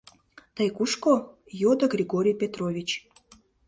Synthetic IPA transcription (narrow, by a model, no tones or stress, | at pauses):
t̪əjkuʃko | jod̪əɡɾʲiɡoɾʲijpʲet̪ɾovʲit͡ɕ